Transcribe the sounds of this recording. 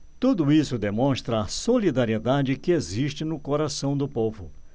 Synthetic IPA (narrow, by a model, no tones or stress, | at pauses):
t̪ud̪ʊisʊd̪emõst̪ɾɐːsolid̪aɾied̪ad͡ʒɪkɪeziʃt͡ʃɪnʊkoɾasɐ̃w̃d̪ʊpovʊ